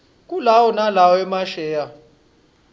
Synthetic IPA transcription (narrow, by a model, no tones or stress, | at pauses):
kʼulawɔnalawɔɛmaʃɛːja